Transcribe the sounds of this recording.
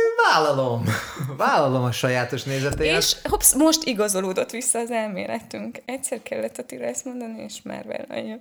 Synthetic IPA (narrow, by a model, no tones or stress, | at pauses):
vaːlɒlomvaːlɒlo̞mɒʃɒjaːt̪o̞ʃneːzɛt̪eːeːɛʃhopsmo̞ʃt̪iɡɒzo̞loːd̪o̞t̪ʋisːɒːzɛlmḛːlɛt̪ːyŋkɛcsɛrkɛlːɛt̪ːɒt̪iɾɒɛst̪mo̞nd̪ɒnieːʃma̰ːrʋɛ̰lɒ̰jːo